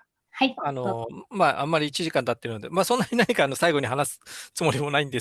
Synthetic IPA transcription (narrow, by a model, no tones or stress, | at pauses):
haano̞maːʔa̰mːaɾʲiːt͡ɕiʑikãnd̪at̪ːeɾɯ̟no̞d̪e̞maːsõ̞nːaɲ̟inaɲ̟ikaːno̞saiɡo̞ɲ̟ihanasɨ̥t͡sɨmo̞ɾʲimo̞naĩnd̪e̞